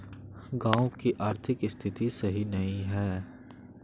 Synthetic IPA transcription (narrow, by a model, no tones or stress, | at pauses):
ɡãːõkiʔaːɾt̪ʰɪkɪst̪ʰɪt̪isɐɦinɐĩɦɛː